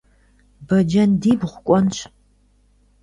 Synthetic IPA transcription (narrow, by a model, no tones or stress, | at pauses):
bɐd͡ʒɐndiːbʁʷʊkʷʼɔnɕ